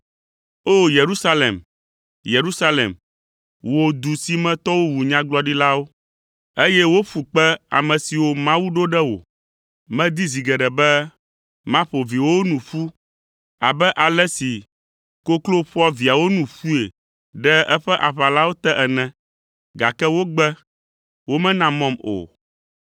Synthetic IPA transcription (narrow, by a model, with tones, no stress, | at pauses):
o˦je˨ɾu˦sa˦lḛ˨m | je˨ɾu˦sa˦lḛ˨m | wo˨d̪u˨si˦mɛ̃˦t̪ɔ˦wo˦wu˨ɲã˦ɡ͡blɔ˦ɖi˦la˦wo˦ | e˦jɛ˦wo˦ɸu˨k͡pɛ˦a̰˨mɛ̃˨si˨wo˦mã˦wu˦ɖo˦ɖɛ˦wo̰˨ | mɛ̃˦d̪i˦zi˨ɡɛ˨ɖɛ˨bɛ˦ | mã˦ɸo˨vi˨wo˦nũ˨ɸu˦ | a˨bɛ˦ʔa˨lɛ˦si˨ | ko˦klo˦ɸɔ˦vi˨a˨wo˦nũ˨ɸu˦e˨ | ɖɛ˦ɛ˦ɸɛ˦ʔa˨ɸa˨la˦wo˦t̪ɛ˦ʔɛ˨nɛ̃˨ | ɡa̰˨kɛ˦wo˦ɡ͡bɛ˦ | wo˦mɛ̃˦nã˨mɔ̃˦˨mo̰˨